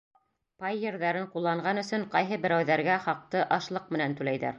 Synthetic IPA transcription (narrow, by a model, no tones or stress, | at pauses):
pɑjːɘ̆ɾðæɾɘɴqulˠːɑɴʁɑnɵ̆sɵɴqɑjɦɤbɘ̆ɾæwðæɾɡæχɑq̚t̪ɤʔɑʃlˠɤq̚mɘ̆nænt̪ʉlæjðæ̰ɾ